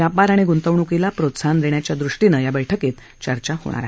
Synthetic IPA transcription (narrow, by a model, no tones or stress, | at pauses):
japaɾaɽ̃iɡunt̪əʋɳukilapɾot̪sand̪eɳjat͡ɕjad̪ɾuʂʈinəjabəjʈʰəket̪ | t͡ɕəɾt͡ɕaho̰ɽ̃a̰ɾaɦ